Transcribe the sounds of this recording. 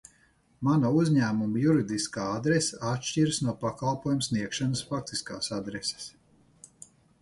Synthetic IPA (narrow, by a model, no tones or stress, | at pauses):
manɐuzʲɲæːmumɐjuɾid̪iskaːad̪ɾesaat̪ʃt͡ʃiɾsnuɔpakalˠpuɔjumsniɛkʃanɐsfak̚t̪iska̰ːsad̪ɾese̥s